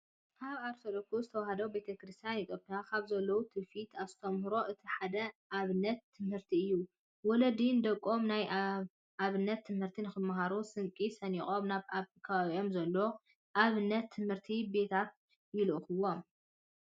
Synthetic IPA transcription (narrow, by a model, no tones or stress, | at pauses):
kʰaβaɾt̪ʰolokuzɨt̪ʰɐwahɐd̪ɐwbe̞t̪ʰɐkɨɾɨst̪ʰijanjit̪ʼopʰijakʰaβzɐlːɐwut̪ʰɨfit̪ʰast̪ʰomhɨɾo̞ʔɨt̪ʰiħad̪ɐʔaβɨnːɐt̪ʰːɨmhɨɾt̪ʰiɨjːu | wɔlɐd̪ind̪ɐkʼːo̞mnaj | ʔaβɨnːɐt̪ʰːɨmhɨɾt̪ʰinɨxɨmːɐɦaɾusɨŋkʼisɐnixʼomnaβafikʰɐaβawio̞mzɐlːo | ʔaβɨnːɐt̪ʰːɨmhɨɾt̪ʰibe̞t̪ʰat̪̚ | jɪlʔɨxɨwom